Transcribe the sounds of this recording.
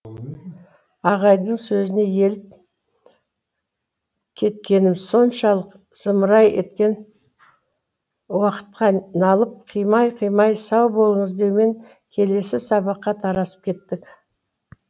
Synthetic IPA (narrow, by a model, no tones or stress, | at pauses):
ɑʁɑjd̪əɴsɵzɪne̞je̞lɪp̚ | kʲʰe̞t̪̚kʲe̞nɪmɪzso̞nʃɑlˠəq | z̥əməɾɑjet̪̚kʲe̞n | wɑqə̥t̪̚qɑnɑlˠəp̚qʰijmɑjqʰijmɑjsɑwbo̞lˠəɴəzd̪e̞wme̞ŋ | kʲʰe̞le̞sɪsɑbɑqːɑt̪ʰɑɾɑsə̥p̚kʲʰe̞t̪ːɪk